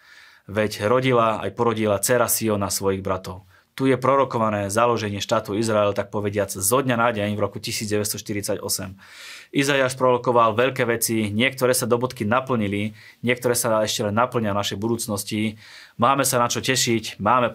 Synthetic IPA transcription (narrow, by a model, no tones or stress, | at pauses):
ʋɛcɾɔɟilaa̰jpɔɾɔɟilat͡sɛɾasiɔnasʋɔjiɣbɾat̪ɔʊ | t̪ujɛpɾɔɾɔkɔʋanɛːzalɔʒɛɲɪɛʃt̪aːt̪uizɾaɛlt̪ak̚pɔʋɛɟɪad͡zzɔd̪ɲanaːɟɛɲvɾɔkucisiːd͡zɟɛʋɛst̪ɔʃt̪iɾit͡saɟɔ̰sɛm | ʔizajaːʃpɾɔɾɔkɔʋalʋɛʎkɛːʋɛt͡siɲɪɛk̚t̪ɔɾɛːsad̪ɔbɔt̪kinapl̩ɲili | ɲɪɛk̚t̪ɔɾɛːsaɛʃcɛlɛnːapl̩ɲɪanaʃɛjbud̪uːt͡snɔsci | maːmɛsanat͡ʃɔcɛʃicmaːmɛ